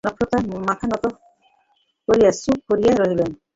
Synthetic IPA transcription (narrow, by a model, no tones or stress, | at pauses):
nɔkʰɾɔt̪amat̪ʰanɔt̪ɔ | koɾijasuk̚koɾijaɾɔɦilen